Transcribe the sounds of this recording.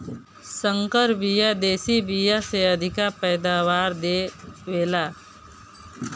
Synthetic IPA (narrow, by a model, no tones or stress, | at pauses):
sə̃ŋkəɾbijad̪eːsibijaseəd̪ʱɪkapɛːd̪aːʋaːɾd̪eːʋeːlaː